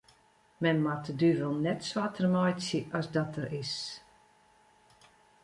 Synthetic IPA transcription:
mɛnmatədyvəlˠnɛtswatʰərmɔjsjəʔɔsdɔtərɪs

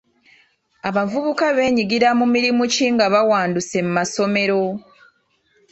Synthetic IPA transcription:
aβavuβukaβe̞ːɲiɡiɾamumiɾimuciŋɡaβawaːnduse̞mumaso̞me̞ɾo̞

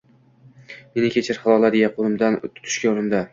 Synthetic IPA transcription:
menɪkʲʰet͡ʃʰɪɾχɑlˠɒlaɾɪjaqʰʊɾʊmd̪ant̪ʰʊ̥t̪ʰʊ̥ʃkʲaoɾɪmd̪a

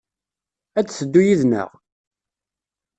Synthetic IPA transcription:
æt͡sːsəd̪ːujiðnə̰ʁ

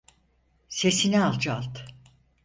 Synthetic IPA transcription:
se̞sinialˠd͡ʒalˠt̪

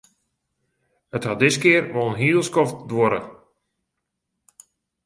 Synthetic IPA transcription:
həthɔdɪskɪərʋolˠnɦiːlˠskɔfdwoɾə̰

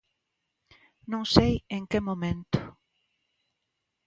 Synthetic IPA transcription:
nõŋsejẽŋkemomẽnt̪ʊ̥

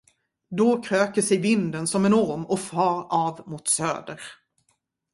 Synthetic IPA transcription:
d̪ɔkʰɾøːkəʂɛjvɪnd̪ənsɔmɛnɔɾmɔfɑːɾɑvmʊt̪sø̰ːd̪əɾ

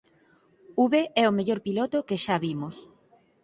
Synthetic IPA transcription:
uβeɛomeʎoɾpilot̪okeʃaβimos

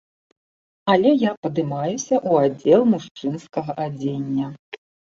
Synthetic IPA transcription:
alʲɛjapɐd̪ɨmajusʲɐʔuad͡zʲɛlˠmuʂt͡ʂɨnskɐɣɐʔad͡zʲenʲːɐ

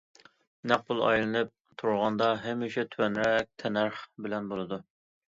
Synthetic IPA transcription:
næq̚bʊlˠɑ̰jlˠɨnɨp̚t̪ʰuɾʁɑnd̪ɑɦɛmːɪʃɛt̪ʰwɛnɾɛk̚ʲt̪ʰɛnæɾχbɪlɛnbolˠɨd̪u

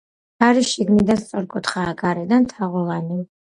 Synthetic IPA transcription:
aɾiʃiɡnid̪anst̪sʼɔɾkʼut̪χaːɡaɾɛd̪ant̪ʰaʁulˠanim

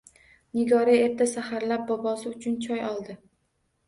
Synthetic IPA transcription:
nɪɡɒɾiep̚t̪ʰasahaɾlap̚bɒbɒsɪʊt͡ʃʰʊnt͡ʃʰɒjɒlˠd̪ɪ

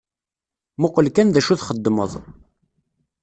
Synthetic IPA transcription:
mʊqəlkænðæʃuθχəd̪ːmə̰ðˤ

